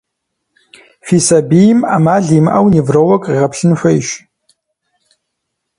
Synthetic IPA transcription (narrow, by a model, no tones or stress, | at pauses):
fiːsɐbijma̰ːmaːɮiːmʔɐwnivrɐwɐkʼiʁɐpʰɬɨnɕʷɐɪʃ